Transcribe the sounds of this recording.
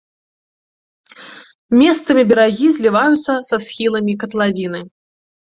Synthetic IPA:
mʲɛst̪sɐmʲibʲɛɾaɣʲizʲlʲivajut̪sːɐsɐsxʲilˠɐmʲikɐt̪lˠavʲinɨ

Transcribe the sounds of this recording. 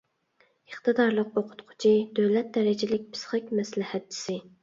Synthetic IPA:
əχt̪ɨd̪ɑɾlˠəqoqʰʊ̥t̪qʰʊ̥t͡ʃʰid̪øwlɛt̪̚d̪ɛɾɪd͡ʒɪlɪk̚ʲpʰɪ̥sχɪkʲmɛslɪhæt̪̚t͡ʃʰi̥sɪ

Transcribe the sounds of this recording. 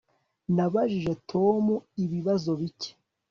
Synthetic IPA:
naβaʒiʒe̞tʰo̞muiβiβazo̞βice̥

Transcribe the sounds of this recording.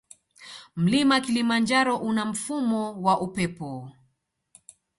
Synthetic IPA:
m̩limakilimand͡ʒaɾɔʔunam̩fumɔwaʔupɛpɔ

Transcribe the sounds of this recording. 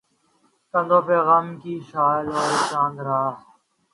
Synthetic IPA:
t̪ɐnd̪oːpeːɣaːmkiːʃaːloːɾt͡ʃãːnd̪ɾaː

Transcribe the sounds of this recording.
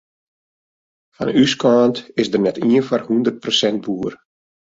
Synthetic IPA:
fa̰nyskaːntɪsdərnɛtiənfarhundərt̚prosɛnd̚buːər

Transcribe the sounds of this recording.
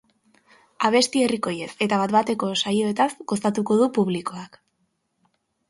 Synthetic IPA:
aβ̞e̞st̪ie̞riko̞je̞se̞t̪aβat̪bat̪e̞ko̞sajo̞e̞t̪asɡo̞st̪at̪uko̞ðupuβliko̞ak

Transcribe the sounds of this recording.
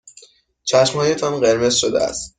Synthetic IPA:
t͡ʃʰæʃmhɒːjet̪ʰɒnɢe̞ɾme̞z̥ʃod̪ḛæ̰st̪

